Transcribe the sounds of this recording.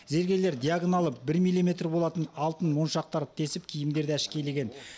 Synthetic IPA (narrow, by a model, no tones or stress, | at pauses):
ze̞ɾɡʲe̞le̞ɾd̪ʲijaɡonalˠəp̚bɪɾmilʲˠime̞t̪ɾrbo̞lˠɑt̪ənɑlˠt̪ənwo̞nʃɑq̚t̪ɑɾt̪ʰe̞sɪp̚kʲʰijɪmd̪e̞ɾd̪eɪʃkʲe̞jleɡʲe̞n